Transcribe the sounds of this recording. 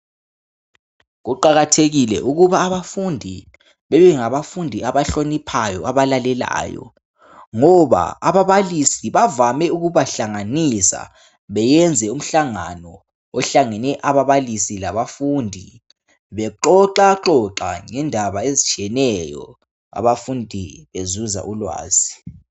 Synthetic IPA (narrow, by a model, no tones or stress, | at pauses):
ɣuǃaɣatʰeɣilɛ̰ʔuɣuβaːβafundʱi | βɛβɛŋaβafundʱiaβaɬonipʰajɔ̰aβalalɛla̰ːjɔ̰ | ŋɔβa̰aβaβalisiβavamɛuɣuβaɬaŋanisa̰ | βɛjɛnd͡zʱɛum̩ɬaŋanɔː | ɬaŋɛnɛʔaβaβalisilaβafuːndʱi | βɛǃɔǃaǃɔǁa̰ŋɛndʱaβaezit͡ʃʼʰiɛnɛjɔ̰ | a̰βafundʱiβezuza̰ʔulwa̰ːz̥i